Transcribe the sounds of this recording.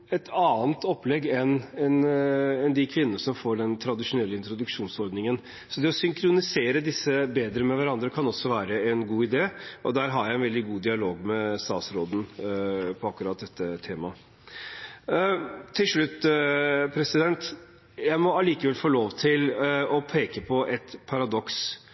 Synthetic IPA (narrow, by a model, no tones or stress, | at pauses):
ɛt̪ʰɑːnt̪ʰɔpːlɛɡɛnɛnɛnd̪ɪkʰʋɪnənəsɔmfoːɖɛnt̪ʰɾɑd̪ɪʂʊnɛlːəɪnt̪ɾʊd̪ʉkʂuːnsɔɾd̪nɪŋən | sɔd̪ɛɔsʏŋkʰɾʊnɪseːɾəd̪ɪsːəbeːd̪ɾəmɛʋæɾɑnd̪ɾəkʰɑnɔsːɔʋæːɾəɛnɡuːɪd̪eːɔd̪æːɾɦɑɾjæɪɛnʋɛld̪ɪɡuːd̪ɪɑloːɡmɛst̪ɑːt̪sɾoːd̪n̩pʰɔɑkːʉɾɑːt̪̚d̪ɛt̪ːət̪ʰeːmɑ | t̪ʰːɪlʂɭʉt̪ː | pʰɾɛsɪd̪ɛnt̪ | jæɪmɔɑliːkəʋɛlfoːloːʋt̪ʰɪlɔpʰeːkəpʰɔʔɛt̪pʰɑɾɑd̪ɔks